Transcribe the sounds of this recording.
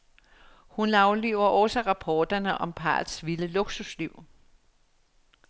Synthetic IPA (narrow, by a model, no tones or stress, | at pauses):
hunɑ̈ʊliʊɐʔɔsəʁɑ̈pʰɒːd̥ɐnəʔɒ̽mpʰɑ̰̈ːðsʋiləloɡ̥susliʊ̰